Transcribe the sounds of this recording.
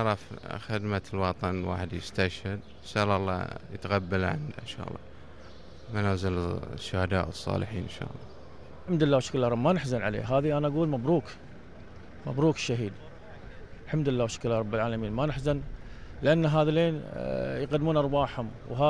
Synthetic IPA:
ɾˤɑfxɪd̪malwɑt̪ˤɑnwa̰ːħɪd̪jɪst̪aʃhɪd̪ | saːlɑlˤːɑ̰ːjət̪ɣabːalʕa̰nd̪a̰nʃa̰ːʔlˤːɑ̰ | manaːzɪlʃːʊhad̪a̰ːʔəsˤːɑ̰ːlɪħḭːnnʃa̰ːʔɑlˤːɑ | ħamd̪ɪlːaːwaʃḁklːaɾˤɑbmanɪħzanʕalḛːɦaːðiʔanaʔaɡuːlmabɾuːk | mabɾuːkʃːaɦiːd̪ | ħamd̪lːaːwaʃḁklːaːɾˤɑbːɪlʕaːlamiːnmanɪħzanlɪʔanːaɦaːðaleːnjqad̪muːnʔɑɾˤwaːħhʊmwɦaː

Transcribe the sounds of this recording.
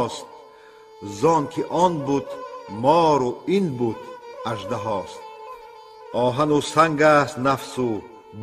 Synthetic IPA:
st̪̚ | zɔnkʰiʔɔnbud̪mɔːɾuinbud̪aʒd̪aɦɔst̪̚ | ʔɔːɦanusaŋɡast̪nafsu | b

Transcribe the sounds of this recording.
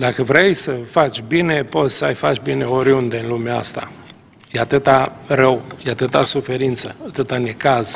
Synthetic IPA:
d̪akəvɾejsəfat͡ʃʲbine̞po̞t̪sʲsəajfat͡ʃbine̞o̞ɾiund̪eɨnlumeaa̰st̪a̰ | jeat̪ɨt̪arəwjeat̪ɨt̪asufe̞ɾint̪səat̪ɨt̪ane̞kaz̥

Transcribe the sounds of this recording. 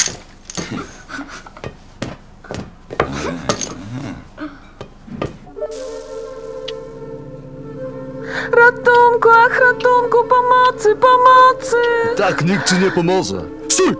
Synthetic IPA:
ɾat̪uŋkuaxɾat̪uŋkupɔmɔt̪sɨpɔmɔt̪sɨt̪akɲikt͡ʃɘɲɛpɔmɔʐɛ̰ | su

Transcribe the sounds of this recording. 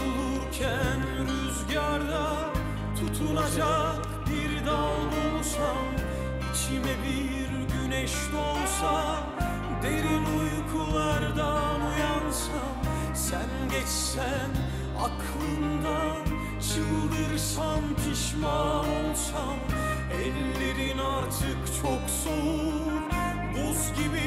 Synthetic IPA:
ulˠuɾcʰæn | ɾyzɟaɾd̪a | t̪ʰut̪ʰulˠad͡ʒak | biɾd̪aolˠulˠsam | it͡ʃʰimɛbi | ɾɟynɛʃlo̞lˠsa | d̪e̞ɾinujkʰulˠaɾd̪amujansam | sænɟɛt͡ʃsæ | n | a̰kʰlˠɯnd̪a | t͡ʃʰɯɣɯlˠɯɾsanpʰɯʃmaolˠsam | ɛlːe̞ɾinaɾt̪ʰɯkt͡ʃʰo̞ksoɾ | buzɟibi

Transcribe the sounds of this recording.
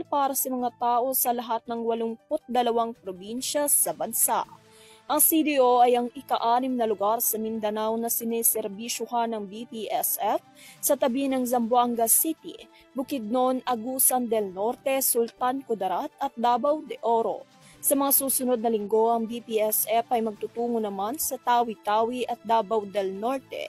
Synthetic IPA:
paːɾɐsɐmɐŋat̪aːʔo̞sɐlɐɦat̪̚nɐŋwɐlʊŋpʊt̪̚d̪ɐlɐwaŋpɾobinʃɐsɐbɐnsa̰ʔ | ʔɐŋsid̪iʔoʔɐjɐŋɪkaʔaːnɪmnɐlʊɡaɾsɐmɪnd̪ɐnawnɐsɪnɛːsɛɾbiʃʊɦanɐŋbipiʔɛsɛf | sɐt̪ɐbinɐŋzɐmbwaŋɡɐsit̪ḭ | bʊkɪd̪̚no̞nɐɡusɐnd̪ɛlnoɾt̪ɛsʊlt̪ankʊd̪ɐɾat̪ɐt̪̚d̪aːbɐwd̪ɛʔoɾo̞̰ | sɐmɐŋasuːsʊno̞d̪̚nɐlɪŋɡo̞ʔɐŋbipiɛsɛfɐjmɐɡ̚t̪ʊt̪uːŋonɐmansɐt̪aːwit̪aːwiʔɐt̪̚d̪aːbɐwd̪ɛlno̞ɾt̪ɛ̰

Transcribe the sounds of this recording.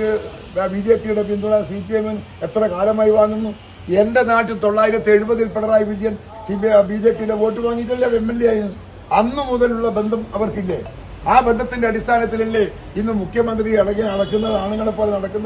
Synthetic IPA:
biːd͡ʑeːpijuɽe̞pind̪uɽaːsipijemem | et̪ːrɐkaːlɐmaːjiʋaːŋːunːu | e̞nde̞naːʈːɨt̪o̞ɭːaːjiɾɐt̪ːeɻubɐðilpeɽɐraːjɐʋid͡ʑɐjɐm | sipbid͡ʑeːpːijuleʋo̞ːʈːɨʋaːŋːit̬ːilːɐemːenlijaːjinːɐːu | ɐnːɨmuðɐluɭːɐbe̞nd̪ʱɐmɐʋɐrkilːe | aːbe̞nd̪ʱɐt̪ːinde̞ɐɽist̪ʰaːnɐt̪ːililːe | inːɨmukʰːjɐmɐnd̪riɐɽɐɣːɐːnɐɽɐkːunːɐðaːɳuŋːɐɭepːo̞ːlenɐɽɐkːunːɐ

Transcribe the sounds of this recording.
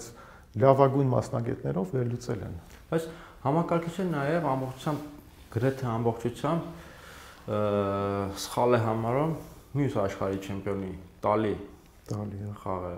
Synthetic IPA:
t͡sʰ | lɑvɑɡujnmɑ̰snɑɡɛ̰t̪nɛɾɔvːɛɾlut͡sɛlɛ̰n | b̥ɑjt͡sʰ | hɑmɑkɑɾkʰit͡ʃʰɛnɑjɛvɑmbɔχtt͡ʃʰu̥t͡sʰjɑmb | ɡ̥əɾɛt̪ʰɛɑmbɔχt͡ʃʰut͡sʰjɑmb | sə̥χɑlɛɦɑmɑɾumː | jusɑʃχɑɾit͡ʃʰɛmpʰjɔnit̪ɑli | t̪ɑliχɑʁɛ

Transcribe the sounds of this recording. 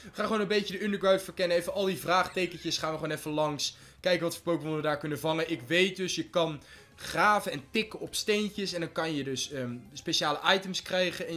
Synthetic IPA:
ɪəkχaːnχwoːnə̃mbejcədəʏndəɹɡɹawtfəɹkɛnəejvəʔɑlˠdivraːχtejkəcəsχaːnʋəχonɛfəlɑŋs | kɛjkəʋɑtfə̥ɹpowkəmɔnədaːɹkɵnəvɑŋəʔɪkʋejt̚dɵsjəkɑn | χraːvəɛntɪkəɔpstejncəsɛndɑnkɑnjədɵsəspeʃaːləʔɑjtəmskrɛjχənɛ

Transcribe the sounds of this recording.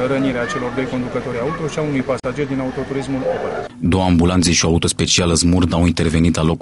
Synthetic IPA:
ɾəniɾeat͡ʃe̞lo̞rd̪o̞jko̞nd̪ukət̪o̞ɾʲaut̪o̞ʃiaunujpasad͡ʒe̞rd̪inaut̪o̞t̪uɾizmulobə | d̪o̞wəambulant̪seʃiaut̪o̞spe̞t͡ʃialəzmurd̪awint̪e̞rve̞nit̪lalo̞k

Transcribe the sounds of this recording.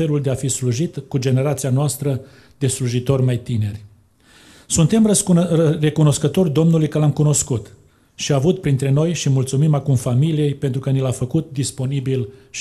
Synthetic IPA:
eluld̪e̞afisluʒit̪kud͡ʒe̞ne̞ɾat̪sianoast̪ɾə | d̪e̞sluʒit̪o̞rʲmajt̪ine̞rʲ | sunt̪e̞m | re̞kuno̞skət̪o̞rʲd̪o̞mnulujkəlamkuno̞skut̪ | ʃiaːvut̪̚pɾint̪ɾe̞no̞jʃimult̪sumimakumfamilije̞jpe̞nt̪ɾukənilafəkut̪̚d̪ispo̞nibilʃ

